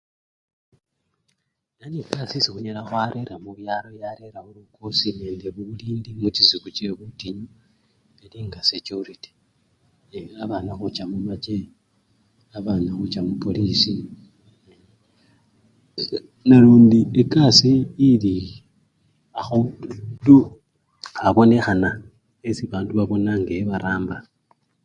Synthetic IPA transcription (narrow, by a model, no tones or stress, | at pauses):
nanekasisixuɲelaxwaɾʔe̞ɾamuβjaɾo̞jaɾe̞ɾahulukʰosineːndeβuuliːndimut͡ʃizikut͡ʃe̞βutiɲo | eliːŋɡasecuɾiti̥ | aβanaxut͡ʃamumat͡ʃe | aβanaxut͡ʃamupo̞lisi | naluːndiekasiːli | axodu | aβo̞ne̞xana | esiβaːnduβaβo̞naŋɡeβaɾaːmba